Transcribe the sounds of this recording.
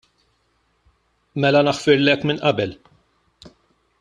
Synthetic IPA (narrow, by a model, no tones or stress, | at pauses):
mɛlɐnɐħfɪɾlɛkːmɪnʔɐbɛl